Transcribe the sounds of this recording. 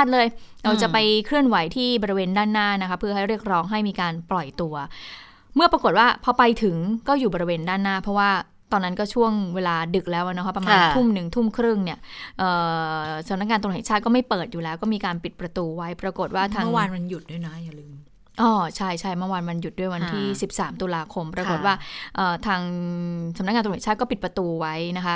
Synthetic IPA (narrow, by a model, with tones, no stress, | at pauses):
a˥t̪̚lɤː˧jɾa˧wt͡ɕa˨˩pa˧jkʰɾɯ˥˩ənwa˩˦jt̪ʰiː˥˩bɔː˧ɾi˧weː˧ndaː˥˩nːaː˥˩na˦˥kʰa˦˥pʰːɯ˥ɐɦa˥˩jɾi˥˩ək̚ɾɔː˦˥ŋɦa˥˩jmiː˧kaː˧nplɔ˨˩jt̪u˧ɐ | mɯ˥˩pɾa˧ko˨˩t̪̚waː˥˩pʰɔ˧pa˧jt̪ʰɯ˩˦ŋkɔː˥˩juː˨˩bɔ˧ɾi˧weː˧ndaː˥˩nːaː˥˩pʰɾɔ˦˥waː˥˩ | t̪ɔː˧nːa˦˥nkɔː˥˩t͡ɕʰu˥˩əŋweː˧laː˧dɯ˨˩k̚lɛː˦˥wʔa˨˩na˦˥kʰa˦˥pːɾmaː˧t̪ʰu˥˩mnɯ˨˩ŋt̪ʰu˥˩mkʰɾɯ˥˩ŋni˥˩ɐʔɤː˨˩sa˨˦na˦˥k̚ŋaː˧t̪ʰːɛ˨˩˦t͡ɕʰaː˥˩t̪̚kɔ˥˩ma˥˩jpɤː˨˩t̪̚juː˨˩lɛː˦˥wkɔ˥˩miː˧kaː˧npi˨˩pɾa˧t̪uː˧wa˦˥jpɾa˧ko˨˩t̪̚waː˧˥˩t̪ʰaː˧˥˩waː˧nma˧nju˨˩t̪̚du˥˩əjna˦˥ja˨˩lɯː˧m | ʔɔː˧˩t͡ɕʰa˥˩jt͡ɕʰa˥˩jmɯ˥˩waː˧nma˧nju˨˩t̪̚du˥˩əjwa˧nt̪ʰiː˥˩si˨˩p̚saː˩˦mt̪u˧laː˧kʰo˧mpɾa˧ko˨˩t̪̚waː˥˩ʔəː˨˩t̪ʰaː˧ŋsa˨˦na˦˥k̚ŋaː˧t̪ːt͡ɕʰːt̪̚kɔː˥˩pi˨˩t̪̚pɾa˧t̪uː˧wa˦˥jna˦˥kʰa˦˥